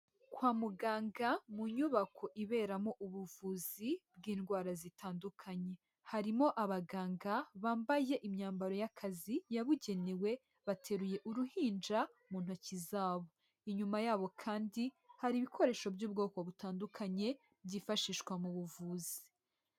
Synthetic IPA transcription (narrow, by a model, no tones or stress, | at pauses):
kwaːmuɡaːŋɡamuɲuβakʰo̞ʔiβe̞ːɾamo̞ʔuβuvuːzib̚ɡiːnɡwaːɾazitaːndukʰaɲe̞ | haɾimo̞ʔaβaɡaːŋɡaβaːmbaje̞ʔimɲaːmbaɾo̞jakʰazijaβuɟe̞newe̞ | βatʰe̞ɾuje̞ʔuɾuhiːnd͡ʒa | muːn̥hucizaːβo̞ | iɲumajaːβokʰaːndi | haɾiːβikʰo̞ɾe̞ːʃo̞bɟuːb̚ɡo̞ːko̞βutaːndukʰaɲe̞ | bɟiːfaʃiʃwamuβuvuːzi̥